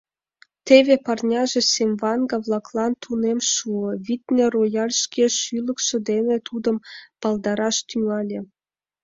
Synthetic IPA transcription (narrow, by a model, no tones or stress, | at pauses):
t̪eβepɑrnʲɑʒĕsemvɑnɡɑβlˠɑklɑnt̪ʰunemʃuə̆βit̪nĕrojɑlʲʃkʲeʃylə̆kʃə̆d̪enĕt̪ud̪əmpɑlˠd̪ɑɾɑʃt̪yŋɑlʲĕ